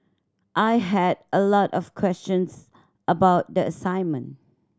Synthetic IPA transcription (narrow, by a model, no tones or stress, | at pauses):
ʔaɪɦɛdəlɔtɔfkʰwɛst͡ʃə̃ns | ʔəbaʊt̚diəsãɪnmə̃n